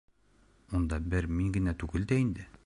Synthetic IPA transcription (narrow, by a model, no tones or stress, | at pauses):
mund̪ɑbɘɾmiŋɡɘ̆næt̪ʉɡɘ̆ld̪æind̪ɘ